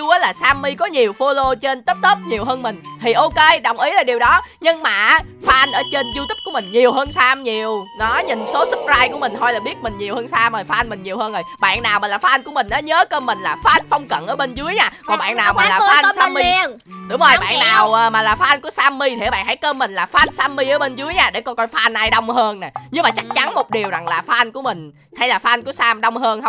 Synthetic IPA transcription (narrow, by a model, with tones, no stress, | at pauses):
u˧ʔəː˨˦jlaː˨˩saː˧mːi˧kɔ˨˦ɲi˨˩əwfo˧lo˧t͡ɕe˧nt̪ə˦˥p̚t̪ə˦˥p̚ɲi˨˩əwɦəː˧nmï˨˩ŋ̟t̪ʰi˨˩ʔo˧ke˧ɗə˨˩wŋ͡mʔi˨˦laː˨˩ɗi˨˩əwɗɔ˨˦ɲɨ˧ŋmaː˨˩˦faː˨˦˥ʔa˧nʔəː˧˩t͡ɕe˧nzu˧t̪i˦˥p̚ku˧˩əmï˨˩ŋ̟ɲi˨˩əwɦəː˧nsaː˧mɲi˨˩əwnɔ˨˦ɲï˨˩nso˨˦sɨ˦˥p̚zaː˧jku˧˩əmï˨˩ŋ̟t̪ʰɔ˧jlaː˨˩ɓi˦˥ət̚mï˨˩ŋ̟ɲi˨˩whəː˧nsaː˧məː˨˩faː˦˥ʔjnmï˨˩ŋ̟ɲi˨˩əwhəː˧nzo˨˩jɓa̰ː˧˨nnaː˨˩wmaː˨˩laː˨˩faː˦ʔa˧jnkəmï˨˩ŋ̟naː˨˦ɲəː˨˦kəː˧mːï˨˩ŋ̟laː˨˩faː˦ʔa˧n̟fə˧wŋ͡mkə̰˧˨nʔəː˧˩ɓe˧nzɨ˨˦əjɲaː˧kɔ˨˩nɓa̰ː˧˨nːaː˨˩wmaː˨˩˨laː˨˩faː˧ʔn˧˦saː˧mi˧ | ɗʊ˨˦ŋ͡mʔə˧jɓa̰ː˧˨nnaː˨˩wʔəː˨˩maː˨˩laː˨˩faː˧ʔa˧n̟ku˧˩əsaː˧mːi˧t̪ʰːɓa̰ː˧˨˩ha˧˩jkəː˧mːï˨˩ŋ̟laː˨˩faː˦˥t̚saː˧mːi˧ʔəː˨˦ɓe˧nzɨ˨˦əjɲaː˧ɗe˧˩kɔ˧jkɔ˧jfaː˧ʔnʔa˧jɗə˧wŋ͡mhəː˧nna˨˩ɲɨ˧ŋmaː˨˩t͡ɕa˦˥k̚t͡ɕa˨˦nmo˨˩t̚ɗi˨˩əwza˨˩ŋlaː˨˩faː˨˦ʔa˧jŋ̟ku˧˩əmï˨˩ŋ̟ | ha˧jlaː˨˩faː˧ʔnku˧˩əsaː˧mɗə˧wŋ͡mɦəː˧nhə˧w